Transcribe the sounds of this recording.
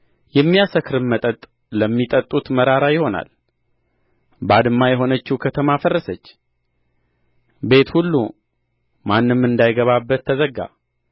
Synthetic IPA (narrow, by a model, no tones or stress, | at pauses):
jɛmːijasəkʰɾɨmːət̪ʼət̪ʼ | ləmːit̪ʼət̪ʼut̪məɾaɾajɪho̞na̰l | bad̪ɨmːajɛɦo̞nət͡ʃːukʰət̪ʰəmafərːəsət͡ʃː | be̞t̪hulːu | manːɨmːɨnd̪ajɡəβabːət̪ʰːəzəɡːa̰